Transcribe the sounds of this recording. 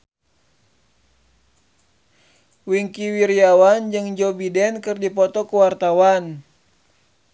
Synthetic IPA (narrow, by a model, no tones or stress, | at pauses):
wiŋkiwiɾiawand͡ʒɨŋd͡ʒɔbidɛnkɨrdipɔt̪ɔkəwart̪awan